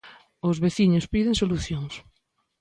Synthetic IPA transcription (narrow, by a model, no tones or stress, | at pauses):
ʊzβeθiɲʊspiðeŋsoluθjoŋs